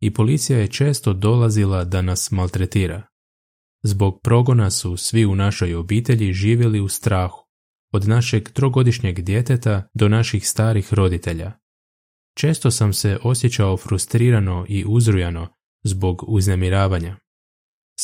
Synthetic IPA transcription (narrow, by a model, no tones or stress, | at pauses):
ipo̞lit̪sijaje̞t͡ʃe̞ːst̪o̞d̪o̞lazilˠad̪anasmalt̪ɾet̪iːɾa̰ | zbo̞ɡ̚pɾo̞ɡo̞nasusʋiunaʃo̞jo̞biːt̪e̞ʎiʒiːʋjeliust̪ɾaːxu̥ | od̪naʃe̞ɡt̪ɾo̞ɡo̞d̪iʃɲe̞ɡd̪je̞t̪e̞t̪ad̪o̞naʃixst̪aːɾixɾo̞d̪it̪e̞ʎa̰ | t͡ʃe̞ːst̪o̞samse̞ʔo̞sje̞t͡ɕaofɾust̪ɾiːɾano̞ʔiʔuzɾujano̞ | zbo̞ɡuznemiɾaːʋaɲa